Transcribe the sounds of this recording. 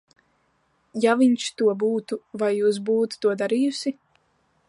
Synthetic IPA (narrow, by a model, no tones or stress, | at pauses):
javiɲʃt̪uɔbuːt̪uvajːuːs̬buːt̪u̥t̪uɔd̪aɾijusi